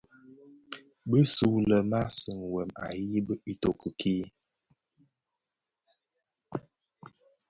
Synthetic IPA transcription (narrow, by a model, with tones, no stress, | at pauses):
bə˦su˨˦lə˨ma˦sə˨ŋ˨wɛ˨ma̰˨ji˦bə˦i˦to˨kə˨kʰi˦